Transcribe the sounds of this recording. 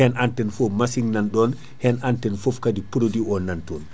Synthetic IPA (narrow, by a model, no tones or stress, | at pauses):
hɛnantɛnfomasiŋnanɗɔn | hɛnʔantɛnfofkadipuɾodiɔnːantɔn